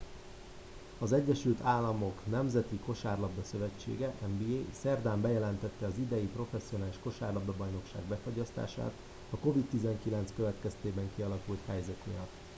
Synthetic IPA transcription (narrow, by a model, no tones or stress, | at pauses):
ɒzɛɟːɛʃylt̪aːlːɒmo̞knɛmzɛt̪iko̞ʃaːrlɒbːɒsø̞vɛt͡ʃːḛːɡɛʔɛmbiːeːsɛrd̪aːmbɛjɛlɛnt̪ɛt̪ːɛɒzid̪ɛjipro̞fɛsːijonaːliʃko̞ʃaːrlɒbːɛbɒjno̞kʃa̰ːɡbɛfo̞ɟɒst̪a̰ːʃa̰ːt̪ | ɒko̞vit̪ːizɛŋkilɛnt̪skøvɛt̪kɛst̪eːbɛŋkiɒlɒkult̪hɛjzɛkmḭjɒt̪ː